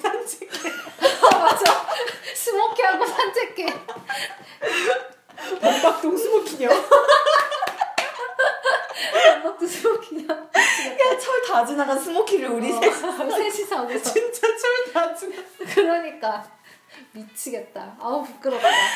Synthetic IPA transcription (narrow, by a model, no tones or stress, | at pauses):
pʰand͡ʑʰekemad͡ʑasʰɯmokʰiɦaɡopʰant͡ɕʰek͈ːe | mok͈ak̚t͈oŋsʰɯmokʰiɲo | amok̚t͈osʰɯmokʰiɲʌjat͡ɕʰʌɭtad͡ʑɯnaɡansʰɯmokʰiɾɯɭuɾisessʰeɕʰisʰaɡet͡ɕint͡ɕ͈at͡ɕʰʌɭtad͡ʑinakɯɾʌɲik͈a | mit͡ɕʰiɡet̚t͈a̰aupuk͈ɯɾʌ